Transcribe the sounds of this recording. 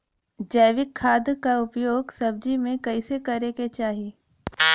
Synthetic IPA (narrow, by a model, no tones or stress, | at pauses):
d͡ʒɐɪʋɪkʰːaːd̪kaʊpjoːɡsɐb̚d͡ʒimẽkɐɪsekɐɾeket͡ʃaːɦieː